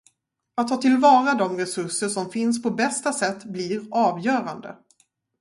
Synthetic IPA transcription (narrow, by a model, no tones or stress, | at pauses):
at̪ʰːɑːt̪ʰɪlvɑːɾad̪ɔmɾɛsɵʂəʂɔmfɪnspʰɔbɛst̪asɛt̪ːbliɾɑːvjœːɾand̪ə̰